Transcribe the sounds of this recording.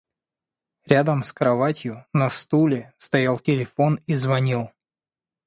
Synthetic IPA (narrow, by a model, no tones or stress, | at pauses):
ɾʲad̪əmskɾɐvatʲjʊnɐst̪ulʲɪst̪ɐjalˠtʲɪlʲɪfo̞nizvɐnʲilˠ